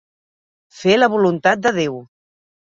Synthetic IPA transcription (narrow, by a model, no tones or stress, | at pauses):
feləβulunt̪at̪̚d̪əðew